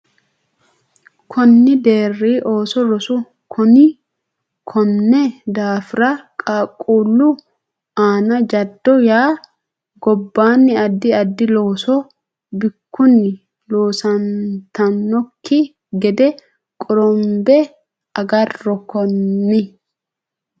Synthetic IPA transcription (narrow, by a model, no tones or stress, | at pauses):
kʰɔnːɪd̪e̞ːrːiːʔoːsɔɾɔsʊ | kʰɔnɪ | kʰɔnːɛd̪aːfɪɾɐkʼaːkʼːuːlːʊ | aːnɐd͡ʒɐd̪ːɔjaː | ɡɔbːaːnːɪɐd̪ːɪɐd̪ːɪlo̞ːsɔ | bɪkːʊnːɪ | loːsɐnt̪ɐnːɔkːɪ | ɡɛd̪ɛ | kʼɔɾɔmbɛ | ɐɡɐrːɔkɔnːɪ